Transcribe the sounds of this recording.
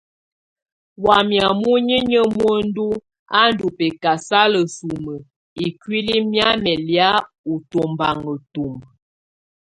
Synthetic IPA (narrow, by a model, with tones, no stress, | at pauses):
wa˨mja˨mu˦ɲə˦ɲə˦mwə˦n̩˦du˦ | a˦n̩˦du˨pɛ˨ka˨sa˦lə˨su˨mə˨ | i˨kwi˦li˦mja˦mɛ˨lja˦ | u˨to˨mba˨ŋə˨tu˨m˨